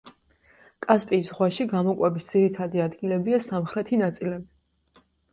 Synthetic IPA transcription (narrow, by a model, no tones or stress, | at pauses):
kʼaspʼiːsʁwaʃiɡamɔkʼwɛbisd̪z̥iɾit̪ʰad̪iad̪ɡilɛbiasamχɾɛt̪ʰinat̪sʼilɛbi